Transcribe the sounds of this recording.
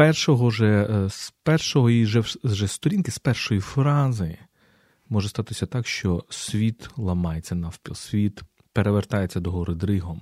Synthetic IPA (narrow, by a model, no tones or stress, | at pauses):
pɛrʃɔɦɔʒɛspɛrʃɔɦɔiʒɛʒɛst̪ɔɾʲinkɪspɛrʃɔjifɾɑzɪ | mɔʒɛst̪ɑt̪ɪsʲɐt̪ɑkʃt͡ʃɔsʲʋʲit̪lˠɐmɑjet͡sʲːɐnɐwpʲilˠsʲʋʲit̪ | peɾeʋert̪ɑjet͡sʲːɐd̪ɔɦɔɾɪd̪ɾɪɦɔm